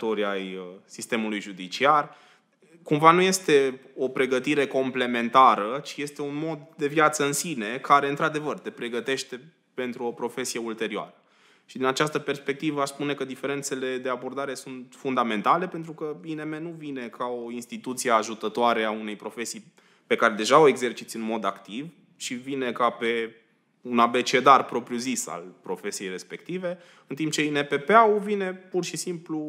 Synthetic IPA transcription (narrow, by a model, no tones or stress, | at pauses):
t̪oɾiajəsist̪e̞mulujʒud̪it͡ʃiar | kumvanuje̞st̪e̞o̞pɾe̞ɡət̪iɾe̞ko̞mple̞me̞nt̪aɾət͡ʃije̞st̪e̞unmo̞d̪d̪e̞vjat̪səɨnsine̞kaɾe̞ɨnt̪ɾad̪e̞vərt̪e̞pɾe̞ɡət̪e̞ʃt̪e̞ | pe̞nt̪ɾuo̞pɾo̞fe̞sije̞ult̪e̞ɾioa̰ɾə | ʃid̪inat͡ʃast̪əpe̞rspe̞k̚t̪ivəaspune̞kəd̪ife̞ɾe̞nt̪se̞le̞d̪e̞abo̞rd̪aɾe̞sunt̪fund̪ame̞nt̪ale̞pe̞nt̪ɾukəineme̞nuvine̞kʰao̞inst̪it̪ut̪sijeaʒut̪ət̪oaɾe̞aune̞jpɾo̞fe̞sij | pe̞kaɾe̞d̪e̞ʒaoe̞ɡze̞rt͡ʃit̪sʲɨnmo̞d̪akt̪iv | ʃivine̞kape̞ | unabe̞t͡ʃe̞d̪arpɾo̞pɾjuzisa̰lpɾo̞fe̞sije̞jɾe̞spe̞kt̪ive̞ | ɨnt̪impt͡ʃe̞inepe̞peawuvine̞purʃisimplu